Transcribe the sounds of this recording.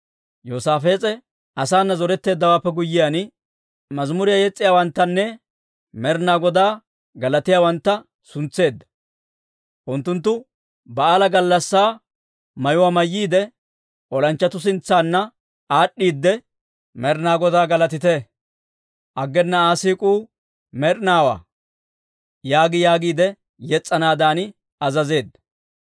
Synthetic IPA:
joːsaːfe̞ːt͡sʼɛ | ʔɐsaːnːɐzɔɾɛt̪ːe̞ːd̪ːɐwaːpːɛɡʊjːɪjaːnɪ | mɐzmʊɾɪjajɛt͡sʼːɪjaːwɐnt̪ːɐnːɛ | mɛɾnaːɡɔd̪aː | ɡɐlɐt̪ɪjaːwɐnt̪ːɐ | sʊnt͡sːe̞ːd̪ːɐ̥ | ʔʊnt̪ːʊnt̪̬ːʊ | bɐaːlɐɡɐlːɐsːaː | mɐjʊwaːmɐjːiːd̪ɛ | ʔɔlɐnt͡ʃːɐt̪ʊs̬ɪnt͡sːaːnːɐ | aːɗːiːd̪ːɛ | mɛɾnaːɡɔd̪aːɡɐlɐt̪ɪt̪ɛ | ʔɐɡːɛnːɐaːsiːkʼuː | mɛɾnaːwa̰ː | jaːɡɪjaːɡiːd̪ɛ | jɛt͡sʼːɐnaːd̪aːnɪ | ɐzɐze̞ːd̪ːɐ

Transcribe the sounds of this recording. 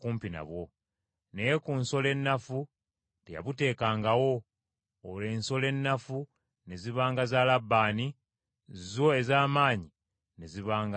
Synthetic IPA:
kuːmpina̰βwo̞ | ne̞jekunso̞le̞nːafu | tḛja̰βute̞ːkaːŋɡawo̞ː | le̞ːnso̞le̞nːafu | ne̞ziβaːŋɡazaːlabːaːni | zizo̞e̞zaːmaːɲi | ne̞ziβaːŋɡ

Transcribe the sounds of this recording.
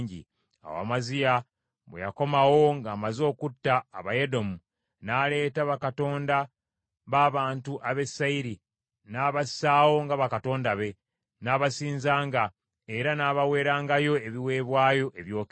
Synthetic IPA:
ɲɟḭ | a̰wa̰ːmazija | βwḛja̰ko̞mawo̞ŋɡaːmazo̞ːkutːaːβaje̞do̞mu | nale̞ːtaβakato̞ːnda | βaːβaːntuʔaβe̞sːaiɾi | naːβasaːwo̞ŋɡaβakato̞ːndaβe̞ | naːβasiːnzaːŋɡa | eɾanaːβawe̞ːɾaːŋɡajo̞e̞βiwe̞ːβwaːjo̞ʔe̞βjo̞ːk

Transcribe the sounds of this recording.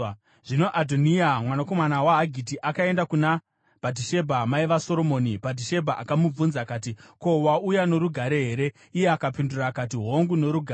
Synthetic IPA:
ʐ̥ino̞ʔadʱoniamwanako̞manawaɦaɡʱitiʔakae̞ndakuna | b̥ʱadiʃe̞bʱamaiʋaso̞ɾo̞mo̞ːnibʱat̬iʃe̞bʱaʔakamub͡vunzakaːtiko̞waujano̞ɾuɡʱaɾe̞ɦeɾe̞ | ije̞akapindurakat̬iɦoŋɡuno̞ɾuɡʱa

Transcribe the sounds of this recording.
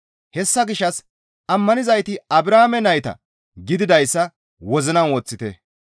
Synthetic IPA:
hɛsːɐɡɪʃːɐs | ʔɐmːɐnɪzɐjt̪ɪɐbɾaːmɛnɐjt̪ɐ̰ | ɡɪd̪ɪd̪ɐjsːɐ | wɔzɪnɐnwɔt͡sːɪt̪ɛ̰

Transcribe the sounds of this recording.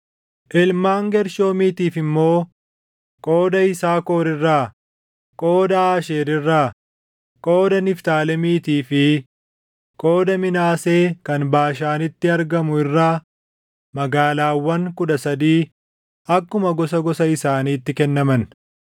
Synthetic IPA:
ʔɪlmaːŋɡɛɾʃo̞ːmiːt̪iːfɪmːo̞ː | kʼo̞ːd̪ɐɪsaːko̞ːɾɪrːaː | kʼo̞ːd̪ɐaːʃeːɾɪrːaː | kʼo̞ːd̪ɐnɪft̪aːlɛmiːt̪iːfɪ | kʼo̞ːd̪ɐmɪnaːse̞ːkɐnbaːʃaːnɪt̪ːɪɐɾɡɐmʊɪrːaː | mɐɡaːlaːwːɐŋkʊᶑɐsɐd̪iː | ɐkːʊmɐɡɔsɐɡɔsɐɪsaːniːt̪ːɪkɛnːɐmɐn

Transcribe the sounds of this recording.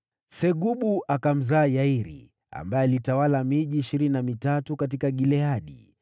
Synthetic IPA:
sɛɠuɓuakam̩zaːjaiɾḭ | a̰mbajɛalitawalamiʄiːʃiɾininamitatukat̬ikaɠilɛaɗḭ

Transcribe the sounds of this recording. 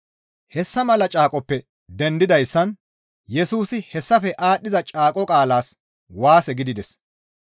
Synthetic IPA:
hɛsːɐmɐlɐt͡ʃʼaːkʼɔpːɛ | d̪ɛnd̪ɪd̪ɐjsːɐn | jɛsuːsɪhɛsːɐfɛʔaːɗːɪzɐt͡ʃʼaːkʼɔkʼaːlaːs | waːsɛɡɪd̪ɪd̪ɛs

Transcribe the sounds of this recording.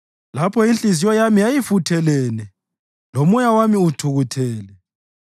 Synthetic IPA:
lapʰɔint͡ɬizijɔjamijajifutʰɛlɛːnɛ | lomujawamiutʰuɣutʰɛːlɛ

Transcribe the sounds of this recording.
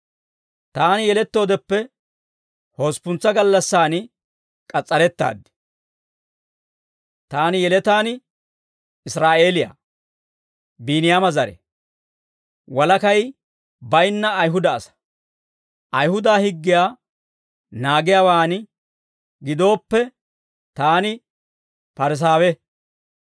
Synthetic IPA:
t̪aːnɪjɛlɛt̪ːo̞ːd̪ɛpːɛ | ho̞ːspʊnt͡sːɐɡɐlːɐsːaːnɪ | kʼɐt͡sʼːɐɾɛt̪ːa̰ːd̪ːɪ̥ | t̪aːnɪjɛlɛt̪aːn | ɪsɾaːʔe̞ːlɪja̰ː | biːnɪjamɐzɐɾɛ̰ | wɐlɐkɐj | bɐjnːɐːjɦʊd̪ɐːsɐ̥ | ʔɐjhʊd̪aːhɪɡːɪjaː | naːɡɪjaːwaːnɪ | ɡɪd̪o̞ːpːɛ | t̪aːnɪ | pɐɾɪs̬aːwɛ

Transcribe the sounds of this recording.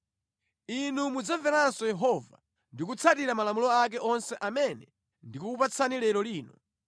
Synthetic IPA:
inumud͡zavɛɾansɔjɛɦɔva̰ | ndikut͡sʰatiɾamalamulɔak̬ɛʔɔnsɛʔamɛnɛ | ndikuupat͡sʰanilɛlɔliːnɔ

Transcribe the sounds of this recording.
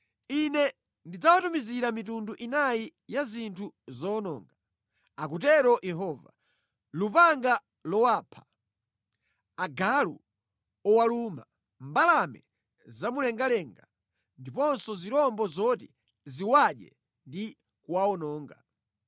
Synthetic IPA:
inɛ | ndid͡zawatumiziɾamitunduʔinajijazintʰuzɔːnɔ̰ːŋɡa | ak̬utɛɾɔʔjɛɦɔva̰ | lupaŋɡa | lɔwaːpʰḁ | aɡalṵ | ɔwaluma | mbalamɛ̰ | zamulɛŋɡalɛŋɡa | ndipɔnsɔziɾɔmbɔzɔti | ziwaɗɛ̰ | ndi | kwaɔnɔːŋɡa̰

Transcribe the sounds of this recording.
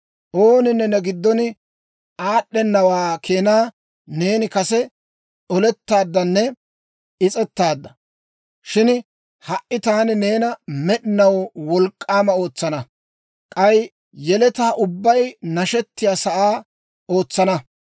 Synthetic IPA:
ʔo̞ːnɪnːɛnːɛɡɪd̪ːɔnɪ | ʔaːɗːɛnːɐwaːkʰeːnaː | neːnɪkɐsɛ | t͡sɔlɛt̪ːaːd̪ːɐnːɛ | ɪt͡sʼɛt̪ːaːd̪ːɐ | ʃɪn | hɐʔɪt̪aːnɪne̞ːnɐmɛɗɪnɐwwɔlkʼːaːmɐo̞ːt͡sːɐnɐ | kʼɐj | jɛlɛt̪aːʔʊbːɐjnɐʃɛt̪ːɪjaːsɐʔaː | o̞ːt͡sːɐnɐ

